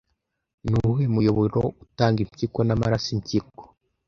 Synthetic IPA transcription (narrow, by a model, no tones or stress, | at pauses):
nuɦwemujoβoɾoutaːŋɡimcikonamaɾasimcik̚o̥